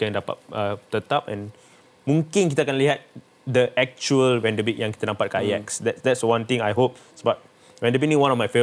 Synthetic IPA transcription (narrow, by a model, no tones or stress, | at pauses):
kɛ̃ndapa̰t̚ət̪ət̪ap̚ɛ̰̃n | mũŋkĩnkit̪əakãnliɦat̪̚ | dəʔɛk̚t͡ʃuəlwɛ̃ndəbiʔ̚jãŋki̥t̪ənãmpat̚kajɛksdɛtsdɛtswãnt̪ĩŋajɦop̚ | sbat̚ | wɛ̃ndəbinĩŋwãnɔfmajfe